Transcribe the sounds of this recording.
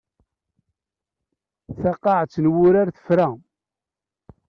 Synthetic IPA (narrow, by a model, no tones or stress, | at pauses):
θɑqːɑʕt͡sːnwʊɾaɾθə̥fɾa